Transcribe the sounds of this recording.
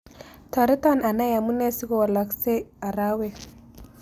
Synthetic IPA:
ta˨ɾi˦ta˦˨na˨na˦ja˨mu˦ne˦si˦ɡo˨wa˨la˨kse˦a˨ɾa˦we˦˨

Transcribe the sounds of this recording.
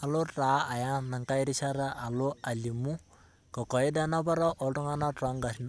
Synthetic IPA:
a˨lʊ˦ta˨˦a˨ja˦na˨ŋka˦ɪ˦ɾi˦sa˦ɾa˦ʔa˨lʊ˦a˨li˨mu˦ | kɔ˨kɔ˨ɪ˦dɛ˦na˦pɔ˦ɾɔ˦ʔɔ˨tʊ˦ŋa˦na˦tɔ˨˦ŋɡa˨sn

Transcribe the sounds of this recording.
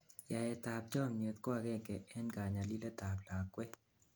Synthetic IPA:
ja˨jɛ˨t̪a˨p̚d͡ʒɔ˦˨mje˨t̪kwa˨ɡɛ˦˨kɛ˨ɛ˦nɡa˨ɲa˨li˦le˦t̪a˨pla˨kːwɛ˦

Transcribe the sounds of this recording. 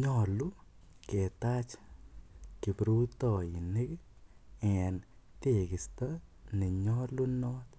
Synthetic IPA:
ɲɔ˦lu˦ | ke˨t̪a˦t͡ʃ | ki˨pɾu˦t̪ɔ˨i˨ne˦k | ɛ˨n | t̪e˨kɪ˨sta˦nɪ˨ɲɔ˦lu˦nɔ˦t̪

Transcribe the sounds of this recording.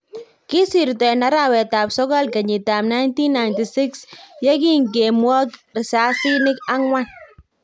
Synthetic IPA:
ki˦si˨ɾtɛ˨na˦ɾa˨wɛ˨ta˨psɔ˦kɔ˦lka˨ɲi˨ta˨mna˦jnti˦nːa˨jnti˨sɪ˦ksja˦ki˦ŋɡe˨mwɔ˦krɪ˨sa˦si˦nɪ˦ka˦ŋwa˦n

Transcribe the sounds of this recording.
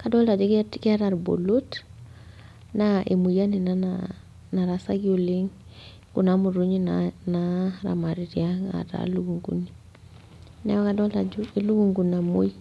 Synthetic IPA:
ka˦dɔ˦la˨d͡ʒu˦ki˦a˦ɾa˨ɾbo̰˨lo˦t | naʔe˨mu˨ja˦ni˨nana | na˨ɾasa˦ɡioliŋ | ku˨namu˨ɾu˦ɲinnaɾa̰ma˨ɾi˨ɾjaŋa̰ta̰luɡuŋɡṵ˦ni | nɛ̰˦ɔ˦ka˦dɔ˦lad͡ʒuelu˦ɡuŋɡu˨na˨mo˦j

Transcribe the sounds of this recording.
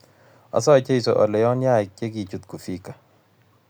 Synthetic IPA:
a̰˨s̬ɔ˦˨t͡ʃe˦i˨sɔ˨ʔɔ̰˨lɛ˨jɔ˦nja˦˨ɪ˨kje˦ki˨t͡ʃu˨t̪̚ku˨fi˦kḁ˨

